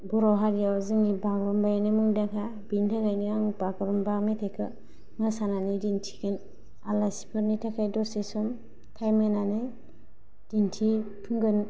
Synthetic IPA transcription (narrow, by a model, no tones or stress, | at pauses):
bɔɾɔɦaɾijazɯŋnibaɡɾɔmbajanɯmɯŋdaŋkʰa | bintʰaɡajniaŋbaɡɯɾɔmbakmetʰekʰɯ | ŋɯsananidintʰi̥kʰen | alasi̥pʰɯɾnitʰakʰajdɔsesɔm | tʰajmenanɯ | d̥intʰi | pʰɯŋɡɯn